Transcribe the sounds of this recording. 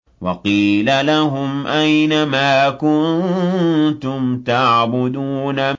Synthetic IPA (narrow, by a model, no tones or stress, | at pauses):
wɑqiːlalaɦʊmʔajnamaːkʊnnnt̪ʊmt̪aʕbʊd̪uːna